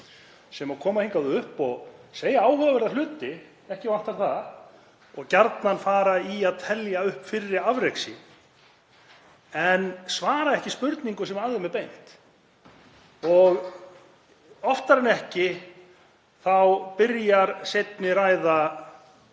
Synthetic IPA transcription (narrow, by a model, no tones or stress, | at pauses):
sɛmakʰɔːmahejŋkaðʏʏhpɔɣseːjaaːwhʏɣavɛɾðalʏːt̪ɪ | ɛhcɪvan̥t̪aɾθað | ɔɣcaɾt̪nanfaːɾaiaðt̪ʰɛljaʏhpfɪrːɪɾavɾejksɪ | ɛnsvaːɾaɛhcɪspʏɾt̪niŋkʏsɛmaðɪmɛpejn̥t̪ | ɔɣ | ɔft̪aɾɛnɛhcɪ | θawpɪɾjaɾsejt̪̚nɪɾaːjða